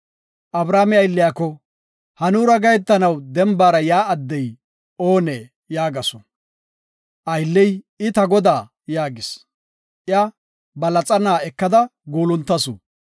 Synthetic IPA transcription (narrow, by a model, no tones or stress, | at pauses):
ʔɐbɾaːmɪɐjlːɪjakːɔ | hɐnuːɾɐɡɐjɛt̪ːɐnɐwd̪ɛmbaːɾɐjaːɐd̪ːɛj | o̞ːneː | jaːɡɐsɔ | ʔɐjlːɛj | ɪt̪ɐɡɔd̪aː | jaːɡɪs | ʔja | bɐlɐt͡sʼɐnaːɛkːɐd̪ɐɡuːlʊnt̪ːɐsṵ